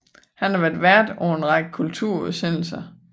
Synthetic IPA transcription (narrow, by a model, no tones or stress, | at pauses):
hænhɑ̈ʋæɐd̥ʋæɐ̰d̥ɒʊenʁɑ̈ɡ̥əkʰult͡sʰuɐ̰uðˠsen̰l̩sɐ